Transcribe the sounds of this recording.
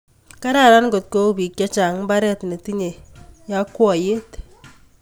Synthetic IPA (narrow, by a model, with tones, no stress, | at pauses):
ka˦ɾa˨ɾa˦nɡo˨t̚ko˦˨bi˨kt͡ʃa˦t͡ʃa˨ŋ˦mba˦ɾɛ˦tne˨ti˦ɲe˨ja˦kːwɔ˨je˦t